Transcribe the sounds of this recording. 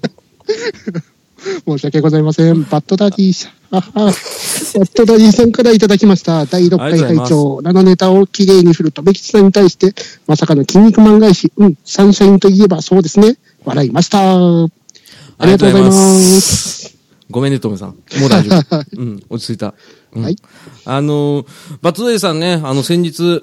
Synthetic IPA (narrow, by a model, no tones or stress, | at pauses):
mo̞ːɕiakeɡo̞zaimasẽ̞mbat̪ːo̞d̪aɾʲiːsa | a | bat̪ːo̞d̪aɾʲiːsãŋkaɾait̪ad̪akʲimaɕi̥t̪ad̪aiɾokːaihait͡ɕo̞ːnano̞ne̞t̪ao̞kʲiɾe̞ːɲ̟iɸɯɾɯ̟t̪o̞be̞kʲi̥t͡ɕi̥sãɲ̟ːit̪aiɕi̥t̪e̞masakano̞kʲĩɲ̟ːikɯ̟mãŋɡaiɕiɯ̟̃ɴsãɰ̃ɕaĩnt̪o̞ie̞baso̞ːd̪e̞sɨne̞ | βaɾaimaɕi̥t̪a | aɾʲiɡat̪oɡzaimas | ɡo̞mẽnet̪omesã̰modã | ot͡ɕi̥t͡sɨit̪a̰ | hai | anobat̪ːod̪aisãnːe̞anosẽ̞ɲ̟d͡ʑit͡sɨ